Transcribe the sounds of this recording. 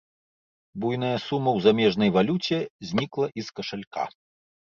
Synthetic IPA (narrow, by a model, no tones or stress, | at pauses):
bujn̪ɐjɐsumːɐwzamʲɛʐnɐjvalʲut͡sʲɛzʲnʲiklˠɐʔiskɐʂalʲka̰